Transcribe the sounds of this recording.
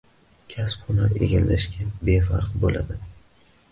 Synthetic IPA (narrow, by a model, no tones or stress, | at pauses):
kʲʰaspʊnaɾe̞̰ɡʲalːaʃkʲabe̞faɾqbola̰d̪ɪ